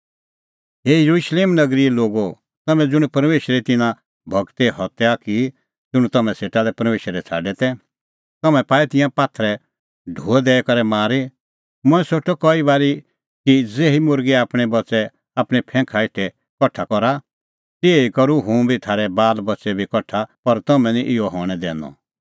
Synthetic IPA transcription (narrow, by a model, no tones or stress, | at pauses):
ɦejɐɾuʃleːmnɐɡɾiloːɡo | t̪ɐmɛ̃d͡zʊɽ̃upɐɾmeːʃəɾit̪ɪnã | bʱɐɡt̪ɛɦɔt̪ɛaki | d͡zʊɽ̃ũt̪ɐmɛ̃seːʈalɛpɐɾmeːʃɾɛt͡sʰa̰ːɖɛt̪ɛ | t̪ɐmɛ̃paːit̪ɪ̃jãpaːt̪ʰɾɛ | ɖʱuːɛd̪ɛːkɐɾɛmaːɾe | mʊ̃ɛ̃soʈʰɔkɔibaːɾi | kid͡zeːɦimʊɾɡiaːpɽ̃ɛbɐt͡ʃɛ | aːpɽ̃ipʰɛ̃ːkʰaɪʈʰɛ | kɔʈʰːakɔɾa | t̪iɛikɐɾuɦũbʱit̪ʰaːɾɛbaːlbɐt͡ʃɛbʱikɔʈʰapɐɾt̪ɐmɛ̃niʔɪɔɦɔːɽ̃ɛd̪ɛ̰ːnɔ̰